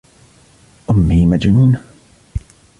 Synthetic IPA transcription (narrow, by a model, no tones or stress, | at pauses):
ʔʊmːiːmad͡ʒnuːn